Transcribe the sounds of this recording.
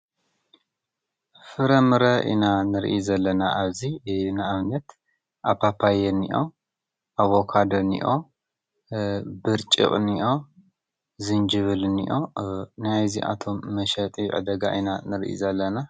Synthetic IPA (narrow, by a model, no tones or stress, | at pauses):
fɨɾɐmɨɾɐʔḭnanɨɾḭʔzɐlːɐnaʔaβzinaaβnɐt̪ | ʔapʰapʰajɛnḭʔo̞ | ʔaβo̞kʰad̪onḭʔo̞ | bɨɾt͡ʃʼɨ̰χʼniʔo̞ | zɨnd͡ʒɨβɨlnḭʔo̞najziʔa̰t̪ʰo̞mːɐʃɐt̪ʼiʕɨ̰d̪ɐɡa̰ʔinanɨɾḭʔḭzɐlːɐna